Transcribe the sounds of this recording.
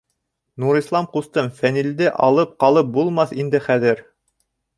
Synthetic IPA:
nuɾislˠɑmqust̪ɤmfænild̪ɘʔɑlˠɤp̚qɑlˠɤp̚bulˠmɑθind̪ɘχæðɘɾ

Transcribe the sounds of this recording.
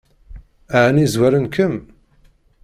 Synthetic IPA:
aʕnizwæɾənkʰəm

